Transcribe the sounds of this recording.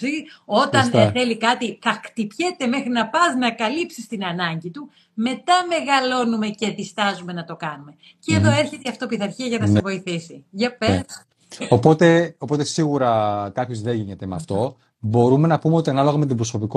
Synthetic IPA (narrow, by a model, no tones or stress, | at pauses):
io̞t̪ɐnnθe̞likɐt̪iθɐkt̪ipçe̞t̪e̞me̞xɾinɐpɐznɐkɐlipsist̪inɐnɐɲɟit̪u | me̞t̪ɐme̞ɣɐlo̞nume̞ce̞ðist̪ɐzume̞nɐt̪o̞kɐnume̞ | ceeðo̞e̞ɾçet̪eɐft̪o̞piθɐɾçiɐʝɐnɐsevo̞iθisiʝɐpes | opo̞t̪e̞o̞po̞t̪e̞siɣuɾɐkɐpço̞zðe̞ʝiɲet̪e̞meɐ̰ft̪o̞ | bo̞ɾume̞nɐpumeo̞t̪iɐnɐlo̞ɣɐmet̪̬ibɾo̞so̞piko